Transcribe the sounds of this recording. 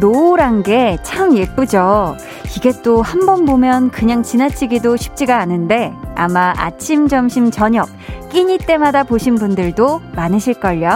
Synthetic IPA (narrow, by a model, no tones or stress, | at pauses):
noɾanɡe̞t͡ɕʰamje̞p͈ud͡ʑo | iɡe̞t͈ohambʌnbomjʌnkɯɲaŋt͡ɕinat͡ɕʰiɡidoɕʰi̥p̚t͡ɕ͈iɡaːnɯnde̞amaʔa̰t͡ɕʰimd͡ʑʌmɕʰimt͡ɕʌɲʌk̚k͈iɲit͈e̞madapoɕʰinbundɯɭdomanɯɕʰiɭk͈ʌʎjo